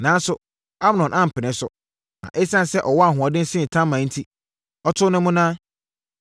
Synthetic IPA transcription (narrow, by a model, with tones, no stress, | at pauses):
nã˨˦n˦sʊ˨ | a˦bnɔ̃˨nʔã˦m̩˨pʰɪ˨nɪ̃˨˦sʊ˦ | nã̰˨ʔɛ˦sã˦n˨sɛ˦ʔɔ˨wɔ˦a˨ɦʊ̃˨a˨dɪ̃˦sɪ̃˦˨tʰã˦mːã˨˦n̩˦tʰi˦ | ɔ˦tʰʊ˦nʊ̃˦mʊ̃˦nãː˦